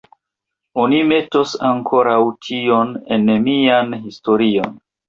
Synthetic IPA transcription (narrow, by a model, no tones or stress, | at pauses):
o̞nime̞to̞saŋkʰo̞ɾawtʰio̞ne̞nemianɦisto̞ɾio̞̰n